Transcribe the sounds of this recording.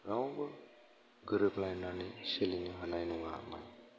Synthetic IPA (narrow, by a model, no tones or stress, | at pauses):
ɾawbɯ | ɡɯɾɯplajnaniseliniɦanajnuŋa̰ma̰j